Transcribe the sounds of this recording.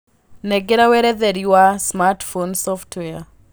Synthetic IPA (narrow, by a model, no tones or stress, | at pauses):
nɛɡɛɾawɛɾɛðɛɾiwasmatfonsɔftʰwɛa